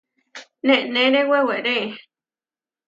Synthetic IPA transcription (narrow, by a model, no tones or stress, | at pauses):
nẽʔnẽnẽweweʔɾẽ